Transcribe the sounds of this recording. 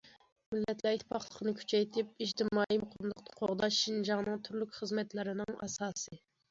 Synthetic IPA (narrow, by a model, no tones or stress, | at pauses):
mɪlːɛt̪læit̪ʰɪpʰɑχlˠəqʰənɨkʲʰy̥t͡ʃʰɛjt̪ʰɪp̚iʒt̪ʰɪmɑːimʊqʰəmmlˠəqt̪ʰqʰoʁd̪ɑʃːind͡ʒɑŋnɨŋt̪ʰyɾlykʲχəzmɛt̪lɪɾɪnɪŋɛ̰sɑːsɨ